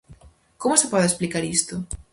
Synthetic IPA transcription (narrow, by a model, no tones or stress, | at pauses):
komʊsɪpɔðesplikaɾist̪ʊ